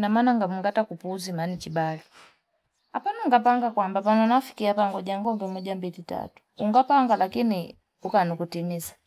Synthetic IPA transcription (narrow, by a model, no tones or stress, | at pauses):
namanaŋɡamuŋɡatakupuzimanit͡ʃibali | apanuŋɡapaŋɡakwambapanɔnafi̥kiapaŋɡɔɟaŋɡɔmbɛmɔɟambilita̰tu̥uŋɡapaŋɡalakini | ukanukutimizḁ